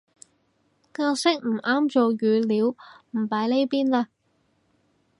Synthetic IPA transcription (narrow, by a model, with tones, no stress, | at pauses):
kaː˧sɪ˥k̚m̩˨˩ʔaː˥mt͡ʃo˨˧jyː˨˧liː˨˥wm̩˨˩paː˨˥jle˥jpiː˥nlaː˧